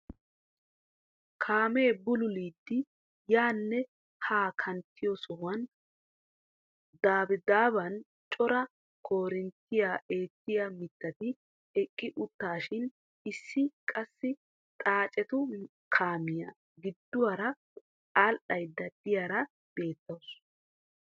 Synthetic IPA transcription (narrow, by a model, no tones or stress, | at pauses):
kʰaːme̞ːbʊlʊliːd̪ːɪ | jaːnːɛ | haːkʰɐnt̪ːɪjɔsɔhʊwɐn | d̪aːbɪd̪aːbɐn | t͡ʃʼɔɾɐ | kʰo̞ːɾɪnt̪ːɪjaʔe̞ːt̪ːɪjɐmɪt̪ːɐt̪ɪ | ɛkʼːɪʔʊt̪ːaːʃɪn | ɪsːɪkʼɐsːɪ | t̪ʼaːt͡ʃʼɛt̪ʊ | kʰaːmɪjɐ | ɡɪd̪ːʊwɐɾɐ | alʔɐjd̪ːɐd̪̥ɪjaɾɐ | b̥e̞ːt̪ːɐws